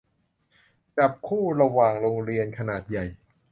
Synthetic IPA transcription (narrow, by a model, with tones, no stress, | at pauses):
t͡ɕa˨˩p̚kʰuː˥˩ɾa˧waː˨˩ŋɾo˧ŋɾi˧ənkʰa˧naː˨˩t̪̚ja˨˩j